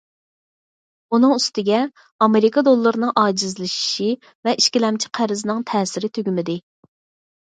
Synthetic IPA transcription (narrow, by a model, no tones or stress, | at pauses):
unɨŋyst̪ɪɡʲɛ | ɑmeɾikʰɑd̪olˠːɨɾɨnɨŋʔɑːd͡ʒizlɨʃi̥ʃi | vɛʔiʃkʲilɛmt͡ʃʰi̥qʰæɾɪzɨnɨŋt̪ʰɛːsɪɾɪt̪ʰøɡʲymɪd̪ɪ